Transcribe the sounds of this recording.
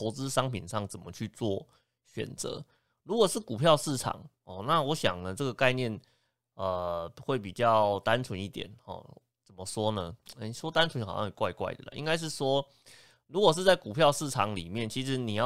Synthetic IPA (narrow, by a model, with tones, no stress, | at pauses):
pɔ˧˥t͡sɹ̩˦ʂɑ˥ŋpʰi˨˩nʂɑ˥˩ŋt͡sə˨˩nmə˦t͡ɕʰy˥˧t͡swɔ˥˩ | ɕɥɛ̰˨˩nt͡sɤ̰˧˦ | ɻu˧˥kwɔ˨˩ʂɻ̩˥˩ku˨˩pʰjɑ˥˧ʊʂɻ̩˥˩ʈ͡ʂʰɑ̰˨˩˦ŋ | ɔ˥˩na˥˨wɔ˧˥ɕjɑ̰˨˩ŋlə˨ʈ͡ʂɤ˥˩ɡə˩ka˥˧ɪnjɛ˥˩n | ə˩xwe˥˩ɪp̬i˨˩t͡ɕjɑ˥˩ʊt̪a˦nʈ͡ʂʰwə˧˦ni˥˩t̪jɛ̰˨˩˦nxɔ̰˨˩ | t͡sə˨˩mə˦ʂwɔ˥nə˧˥˩ʂwɔ˥t̪a˥nʈ͡ʂʰwə˦nxɑ˨˩jɑ̰˥˧˨kwa̰˥˧ɪkwa̰˥˩ɪd̪ə̰˨˩lə̰˨ʔḭ˥ŋka˥ɪʂ̬ɻ̩˥˩ʂwɔ˥ | ɻu˧˥kwɔ˨˩ʂɻ̩˥˧t͡sa˥˩ɪku˨˩pʰjɑ˥˧ʊʂɻ̩˥˩ʈ͡ʂʰɑ˨˧˥ŋlḭ˨˩mjɛ˥˩nt͡ɕʰi˧˥ʂ̬ɻ̩˧˥ni˨˩jɑ˥˧